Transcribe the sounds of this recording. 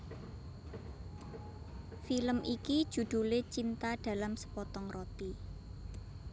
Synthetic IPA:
filəmʔiki̥ʒ̥ṳd̪̥ulet͡ʃint̪aɖ̥a̤lamsə̥pɔt̪ɔŋrɔt̪i

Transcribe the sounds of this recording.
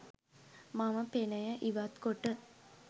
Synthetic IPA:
maməpenɐjəʔiʋat̪koʈːə

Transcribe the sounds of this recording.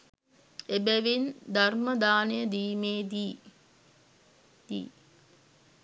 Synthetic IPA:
ebeʋind̪ɐrmɐd̪aːnejəd̪iːmeːd̪i | d̪ḭː

